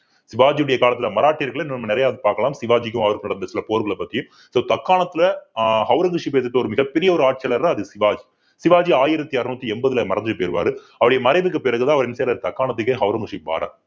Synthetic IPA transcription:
sɪʋaːd͡ʒijɯɽɐjɐkaːlɐt̪ːɪlɐmɐɾaːʈːiɾɣɐɭɪnːɐnɐmːɐnɪɾɐjaːðɯpaːɾkɐlaːmsɪʋaːd͡ʒɪkːɯmɐʋɐɾɯkɯnɐɽɐnd̪ɐsɪlɐpoːɾɯɣɐɭɐpɐt̪ːɪjɯ̃m | soːt̪ɐkːaːɳɐt̪ːɪlɐhɐʊɾɐŋɡɯʂipeːt̪ɯʈːɐɔɾɯmɪɣɐpːɛɾɪjɐɔɾɯaːʈ̚t͡ʃjɐlɐɾaɐðɯsɪʋaːd͡ʒi | sɪʋaːd͡ʒiaːjɪɾɐt̪ːiɐɾɯnut̪ːiɛmbɐðɪlɐmɐɾɐnd̪ɯɯpeːɾɯʋa̰ːɾɯ | ɐʋɐɽɐjɐmɐɾɐɪʋɯk̬ːɯpːɪɾɐɣɯðãːɐʋɐɾɪnːseːɾaɾt̪ɐkːaːɳɐt̪̬ːɯkːeɦɐʊɾɐŋɡɪʂiba̰ːɾa̰ː

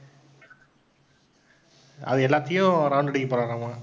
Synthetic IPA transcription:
ɐ̰ðɯɛlːaːt̪ːɐjʊ̃ɾɐʊɳɖɐɽɪkːipoːɾaːɾãmãː

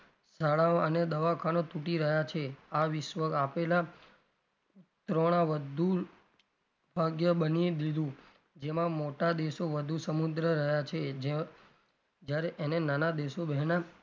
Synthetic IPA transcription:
saɭaəned̪əʋakʰanot̪uʈiɾəɦjat͡ʃʰeaʋɪʃʋəɡapela | t̪ɾoɽ̃aʋəd̪ʱu | bʱaɡjəbənid̪id̪ʱũ | d͡ʒemãmoʈad̪eʃoʋəd̪ʱusəmud̪ɾəɾəɦjat͡ʃʰed͡ʒe | d͡ʒjaɾeʔenenanad̪eʃobɛɦna

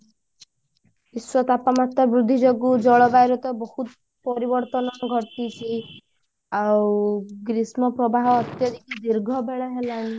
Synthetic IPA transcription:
iswɔt̪apamat̪ɔbɾud̪ʱːid͡ʒoɡud͡ʒɔɭɔbajɾɔt̪ɔbɔhut̪ | pɔɾibɔɾt̪ɔnɔɡʱɔt̪it͡ʃʰi | awɡɾismɔpɾɔbaɦɔːt̪jɔd̪ʱikid̪iɾɡʱɔbʱeɭɔɦelaĩ

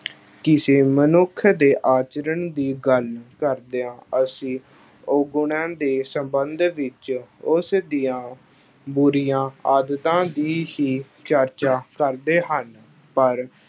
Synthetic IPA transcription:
kɪseːmənʊkʰd̪eːʔaːt͡ʃəɾəɳd̪iːɡəlkəɾd̪eːãːəsĩː | oɡʊɳãːd̪eːsəmbənd̪ʋɪt͡ʃʊsd̪iːãː | buɾijãːaːd̪ət̪ãːd̪iːhiː | t͡ʃəɾt͡ʃaːkəɾd̪eːɦən | pəɾ

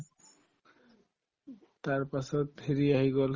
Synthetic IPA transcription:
t̪aɾpaʃɔt̪ʰeɾiaɦiɡɔl

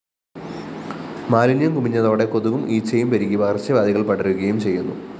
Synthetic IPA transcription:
maːlinjɐmkumiɲːɐðo̞ːɽe̞ko̞ðuʋumʔiːt͡ɕːɐjumpeɾiɣʲːiʋɐɐrt͡ɕːɐʋaːd̪iɣɐɭpɐɽɐruɣɐjumt͡ɕe̞jːunːṵ

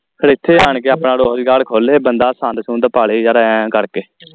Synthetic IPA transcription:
kʰəɾeːɪt̪ʰːeːaːɳkeːaːpɳaːɾoːɦd͡ʒɡaːɽkʰoːleːbənd̪aːsãːnd̪sũːnd̪əpaːɭeːd͡ʒaːɾaɛ̃ːkəɾkeː

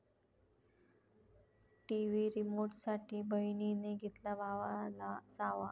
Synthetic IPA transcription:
ʈiʋiɾimoɾʈsaʈʰiːbəjnineɡʱet̪labʱaʋalat͡saʋa

